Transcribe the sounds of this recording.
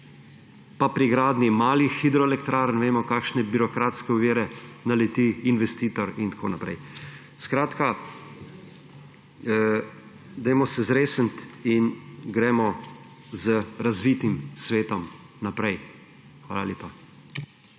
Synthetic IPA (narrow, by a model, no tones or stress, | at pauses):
papɾiɡɾaːd̪nimaːlixːid̪ɾɔɛlɛkt̪ɾaːɾənʋeːmɔkaːkʃnɛbiɾɔkɾaːt̪skɛʊʋiːɾɛnalɛt̪iinʋɛst̪iːt̪ɔɾint̪ḁkʰo̰ːnapɾɛ̰j | skɾaːt̪ka | d̪ɛjmɔsɛzɾeːsənt̪inɡɾɛmɔ | zəɾazʋiːt̪imsʋeːt̪ɔmnapɾɛj | xʋa̰ːlaljeːpa